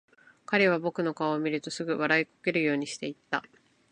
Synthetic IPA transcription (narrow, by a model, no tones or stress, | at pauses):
kaɾe̞β̞abo̞kɯ̟no̞kamʲiɾɯ̟t̪o̞sɨɡɯ̟βaɾaiko̥ke̞ɾɯ̟jo̞ːɲ̟iɕi̥t̪e̞it̪ːa